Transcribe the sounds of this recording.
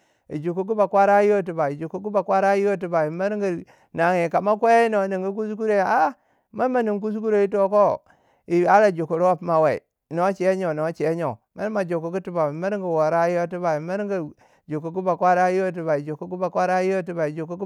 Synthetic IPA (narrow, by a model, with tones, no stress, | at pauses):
ḭ˨d͡ʒu˨ku˦k̬u˦ba˨kʷa˦ɾa˦jo˦˨t̬i˨ba˨i˨d͡ʒu˨ku˦ku˦ba˨kwa˦ɾa˦jo˦t̬i˨ba˨i˨ma˦ɾŋɡi˨ | na˨ŋe˨ka˨ma˦kʷe˦i˦no˨ni˨ŋɡi˦k̬u˦sku˦ɾe˨a˦ | ma˦ma˨ni˨ŋk̬u˦s̬ku˦ɾo˦˨i˦t̬o˦ko˦ | i˨a˦ɾa˦˨d͡ʒu˨ku˨ɾwa˦pma˨we˨ḭ˨ | no˦t͡ʃe˨e˦ɲo˨no˨˦t͡ʃe˨e˦ɲo˨ma˦ɾma˨d͡ʒo˨ku˨ɡu˦ti˦ba˨i˨ma˦ɾŋɡi˨wo˨ɾa˦jo˦ti˦ba˨i˨ma˦ɾɡi˨ | d͡ʒu˨ku˨ɡu˦ba˨kwa˦ɾa˦ji˦o˦t̬i˨ba˨i˨d͡ʒo˨ku˦ɡu˦ba˨kʷa˦ɾa˦jo˦˨t̬i˦ba˨i˨d͡ʒu˨ku˦k